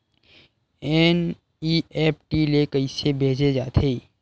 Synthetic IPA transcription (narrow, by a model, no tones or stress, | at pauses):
ɛːn | ieːp̚ʰʈilekəisebʱeːd͡ʒed͡ʒa̰ːt̪ʰeː